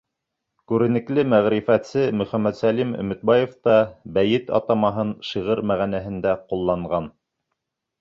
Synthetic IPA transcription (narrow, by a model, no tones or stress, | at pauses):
kʉɾɘ̆nɘ̆klɘmæʁɾifæt̪sɘmɵ̆χæmːæt̪sælimɵ̰̆mɵ̆t̪̚bɑjeft̪ɑbæjɘt̪ɑ̰t̪ɑmɑɦɤnʃiʁɤɾmæʁænæɦɘ̆nd̪æqulˠːɑɴʁɑn